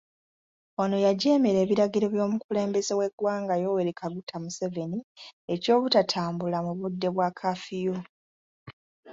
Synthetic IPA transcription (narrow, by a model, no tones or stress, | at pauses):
ono̞jaɟe̞ːmeɾe̞ːβiɾaɡiɾe̞βjo̞ːmukule̞ːmbe̞ze̞we̞ɡwaːŋɡajo̞weɾikʰaɡutʰamuse̞ve̞nie̞co̞ːβutatʰaːmbulamuβudːe̞βwaːkʰafijo̞